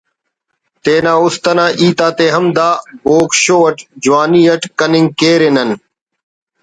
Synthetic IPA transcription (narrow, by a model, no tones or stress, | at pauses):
t̪eːnãːʊst̪ənãːʔiːt̪aːt̪eːɦəmd̪aːboːkʃoːʋəʈd͡ʒʊwaːniːɐʈkənɪŋɡ̚keːɾeːnən